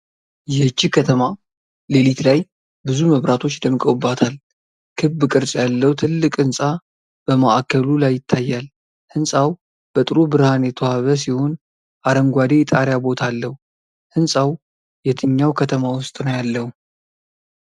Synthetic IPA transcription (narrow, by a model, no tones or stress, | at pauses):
jɛhɨt͡ʃːikʰət̪ʰəma | lelit̪laj | bɨzuməβɾat̪ʰo̞t͡ʃːd̪əmɨkʼəwɨbːat̪ʰal | kʰɨbɨkʼɨɾsʼjalːəwt̪ʰɨlːɨkʼɨnsʼa | b̥əmaʔakʰːəlulajːɪt̪ʰːajːal | hɨnsʼaw | b̥ət̪ʼɨɾobɨɾhanjɛt̪ʰohaβəs̬iho̞n | ʔaɾəŋɡʷad̪e̞t̪ʼaɾjabo̞t̪ʰalːəhu | hɨnsʼaw | jɛt̪ʰɨɲːawkʰət̪ʰəmawʊst̪ʼnəwjalːəhu